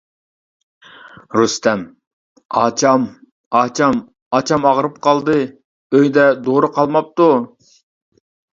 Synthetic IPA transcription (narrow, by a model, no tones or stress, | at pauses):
ɾust̪ɛm | ɑt͡ʃʰɑm | ɑːt͡ʃʰɑm | ɑt͡ʃʰɑmɑʁɾɨp̚qɑlˠd̪ɨ | øjd̪ɛd̪oɾɨqʰɑlˠmɑp̚t̪u